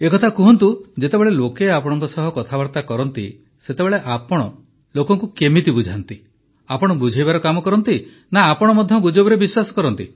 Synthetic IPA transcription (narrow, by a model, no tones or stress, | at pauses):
ekɔt̪ʰakuɦɔnt̪ud͡ʒet̪ebeɭelokeapɔɽ̃ɔŋkɔsɔɦɔkɔt̪ʰabɔɾt̪akɔɾɔnt̪ḭ | set̪ebeɭeʔapɔɽ̃ɔ | lokɔŋkukemit̪ibud͡ʒʱant̪i | apɔɽ̃ɔbud͡ʒʱajβaɾɔkamɔkɔɾɔnt̪i | naːpɔɽ̃ɔmɔd̪ʱjɔɡud͡ʒobɔɾebiswasɔ̥kɔɾɔnt̪i